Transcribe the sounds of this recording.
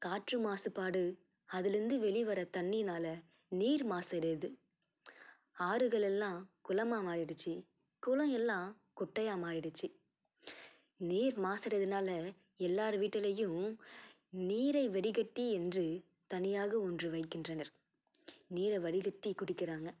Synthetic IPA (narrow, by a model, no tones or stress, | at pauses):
kaːʈrɯmaːsɯpːaːɽɯ | ɐðɪlɾɯnd̪ɯʋɛɭɪʋɐɾɐt̪ɐnːinaːlɐ | niːɾmaːsɐɾɐðɯ | aːɾɯɣɐɭɛlːãːkʊlɐmaːmaːɾɪɽɯt͡ʃːɯ | kʊlɐ̃ɛlːãː | kʊʈːɐjaːmaːɾɪɽɯt͡ʃːɯ | niːɾmaːsɐɾɐðɯnaːlɐ | ɛlːaːɾɯʋiːʈːɐlɐjɯ̃ | niːɾɐɪʋɐɽɪɣɐʈːiɛndrɯ | t̪ɐnɪjaːɣɐɔndrɯʋɐɪkːɪndrɐnɐɾ | niːɾɐɪʋɐɽɪɣɐʈːikʊɽɪkːɪɾaːŋɡɐ